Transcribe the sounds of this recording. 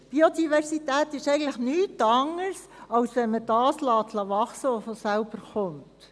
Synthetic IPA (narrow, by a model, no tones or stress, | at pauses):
b̥iodivɛɾsitæːt̪ɪʃɛɪɡətləχnyːtɑŋəɾsɑwsʋɛnmədɑːslɑːt̪ʰlɑʋɑχsəɔfɔsælb̥əɾχʊnt